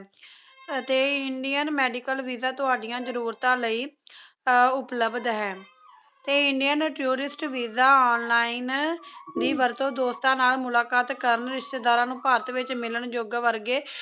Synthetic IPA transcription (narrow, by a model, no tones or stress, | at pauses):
t̪eːɪɳɖijənmɛːɖiːkəlʋiːzaːt̪ʊɦaːɖɪjãːd͡ʒəɾuːɾt̪ãːləiː | ʊpləbd̪ɦɛː | t̪eːɪɳɖijənʈuːɾɪsʈʋiːzaːɔːnlaːiːnd̪iːʋəɾt̪õːd̪oːst̪ãːnaːlmʊlaːkaːt̪kəɾəɳɾɪʃt̪eːd̪aːɾãːnũːpaːɾət̪ʋɪt͡ʃmɪləɳd͡ʒoːɡʋəɾɡeː